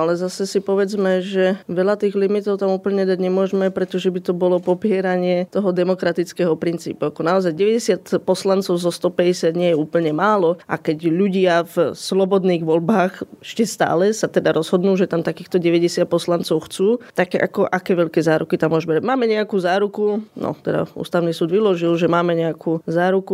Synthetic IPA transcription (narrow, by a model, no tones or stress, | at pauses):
alɛzasɛsipɔʋɛd͡zmɛʒɛʋɛʎat̪iːɣlimit̪ɔʊt̪amuːpl̩ɲɛd̪aɟɲɛmʊɔʒmɛpɾɛt̪ɔʒɛbit̪ɔbɔlɔpɔpɪɛɾaɲɪɛt̪ɔɦɔd̪ɛmɔkɾat̪it͡skɛːɦɔpɾint͡sḭːpuakɔnaɔzajɟɛʋɛɟɛsɪat̪pɔslant͡sɔʊzɔst̪ɔpɛɟɛsɪad̪ɲɪɛjɛuːpl̩ɲɛmaːlɔʔa̰kɛɟʎuɟɪavslɔbɔd̪niːɣʋɔʎbaːxɛʃcɛst̪a̰ːlɛsat̪ɛd̪aɾɔzɦɔd̪nuːʒɛt̪amt̪akiːxt̪ɔɟɛʋɛɟɛsɪat̪̚pɔslant͡sɔʊxt͡suːt̪akɛʔa̰kɔʔakɛːʋɛʎkɛːzaːɾukit̪amːʊɔʒbɛɾamaːmɛɲɛakuːzaːɾukunɔ̰t̪ɛd̪a̰ṵːst̪aʋʊnisuːd̪ʋilɔʒilʒɛmaːmɛɲɛakʰuːzaːɾuku